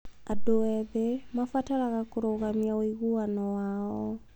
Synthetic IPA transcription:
adoɛβɛmafataɾaɣakoɾoɣamiaoiɣuwanɔwaɔ

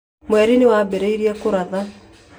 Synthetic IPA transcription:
mwɛɾinewabeɾeiɾiɛkoɾaða

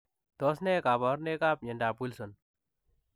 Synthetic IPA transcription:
t̪oːsnekaːbaɾneːkaːp̚ɲɐɳɖaːpulson

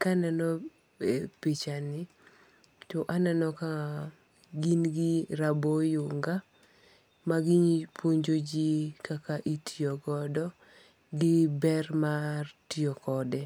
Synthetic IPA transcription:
kananɔ | epit͡ʃanɪ | toʔananɔka | ɡinɡɪɾabojuŋɡa | maɡiɲipoɲd͡ʒod͡ʒikakaʔitʰiɔɡɔdɔ | ɡɪbɛrmartiɔkɔdɛ

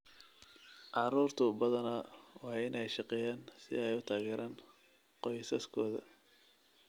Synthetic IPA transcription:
ʔɑɾuːrt̪ʰʊbɐðɐnɐwɑːɪnɛjʃɑqɛːjaːnsɪɛjʊt̪ʰaːɣɛːɾʔaːn | qɔjsɐskʰɔːðɐ̰

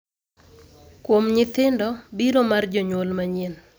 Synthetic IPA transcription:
kwomɲɪt̪ɪndɔbiɾomard͡ʒɔɲwolmaɲen

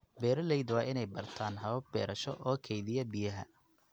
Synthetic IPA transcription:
bɛːɾɐlɛjd̪wɑːʔɪnɛjbɐrt̪ʰaːnɦɐβɐb̚bɛːɾɐʃɔ̰ʔɔːkʰɛjðɪjɐbɪjɐɦɐ̰

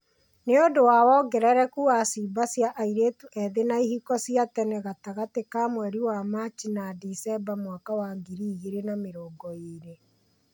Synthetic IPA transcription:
neodowaːwɔɡɛɾɛɾɛkuasibasijaʔaiɾeːtuʔɛðenaihikɔsiatɛnɛɣataɣatekaːmwɛɾiwamat͡ʃinadisɛbamwakawaɡiɾiːɣeɾenameɾɔːɡɔeɾe

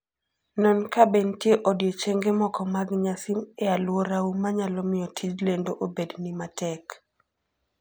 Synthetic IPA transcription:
nɔnkabentjeʔodjot͡ʃeŋɡemɔkɔmaɡɲasimɛalwoɾaumaɲalɔmɪjɔtʰid͡ʒlendoʔobednimatɛk

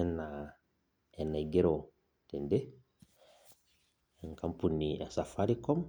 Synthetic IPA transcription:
ɛna | ɛnaɡeɾo | tende | ŋkampunia̰safaɾikɔm

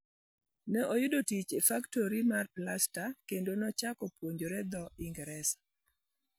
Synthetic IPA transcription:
nɛʔojʊdotit͡ʃefaktoɾimarplastakendonɔt͡ʃakɔpwoɲd͡ʒoɾɛd̪ɔiŋɡɛɾɛsḁ

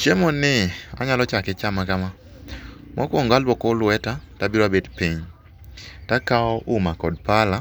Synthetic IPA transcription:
t͡ʃemɔnɪa̰ɲalɔt͡ʃakɪt͡ʃamakama | mʔɔkɔŋɡalbɔkɔlwɛtatabɪɾabedpiɲ | takaɔʔʊmakɔd̚pala

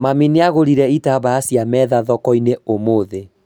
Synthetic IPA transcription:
mamineaɣoɾiɾɛitaβaasjamɛːðaðɔkɔineomoðe

